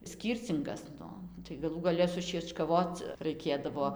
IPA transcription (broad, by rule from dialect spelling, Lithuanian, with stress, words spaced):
ˈsʲkʲiːrʲt͡sʲɪŋɡɐs ˈnʊ tɐɪ ɡɐˈlˠuː ɡɐˈlʲɛ sʊʃʲiɛt͡ʃkɐˈʋoːt͡s rɐɪˈkʲeːdɐʋoː